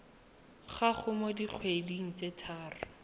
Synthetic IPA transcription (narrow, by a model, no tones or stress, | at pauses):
χaχʊmodiq͡χʰweliŋ̩t͡setʰaːrʊ